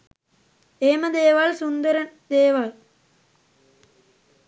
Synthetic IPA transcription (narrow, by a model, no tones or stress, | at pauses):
eːməd̪eːʋalsund̪əɾənd̪eːʋal